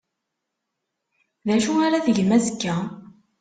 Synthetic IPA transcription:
ðæʃuaɾaðəʝmæzəkːæ

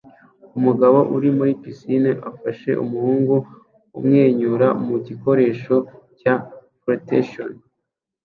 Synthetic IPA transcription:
umuɡaβo̞ʔuɾimuɾipisineʔafaʃe̞̰ʔṵmuhuːŋɡu | ṵmŋe̞ːɲuɾamuɟiko̞ɾe̞ːʃo̞ | capɾoteʃon

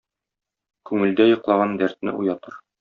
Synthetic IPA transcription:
kʉŋɘ̆ld̪æjŏqlˠɑʁɑnd̪æɾt̪̚nɘ̰ʔujɑt̪ɤɾ

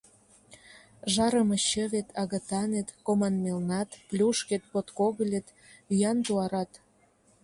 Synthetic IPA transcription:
ʒɑɾə̆məɕə̆βet̪ʰɑɣə̆t̪ɑnet̪komɑnmelnɑt̪plʲuʃket̪̚pot̪koɣə̆lʲet̪ | yjɑnt̪uɑɾɑt̪

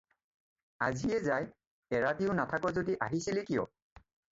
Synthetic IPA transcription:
a̰zijɛzaj | ɛɹatiʊnatʰakɔzodiʔaɦisilekijɔ̰

